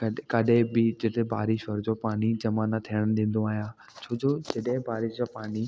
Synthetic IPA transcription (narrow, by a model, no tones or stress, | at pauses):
kɐkɐɗẽbɪd͡ʑɪt̪eba̰ːɾɪʃʋɐɾd͡ʑoːpaːnid͡ʑɐmaːnat̪ʰijəɽ̃ɗ̪ẽːn̆d̪oaːɦjãː | t͡ɕʰoːd͡ʑoːd͡ʑɐɗɦɪ̃baːɾɪʃd͡ʑoːpaːni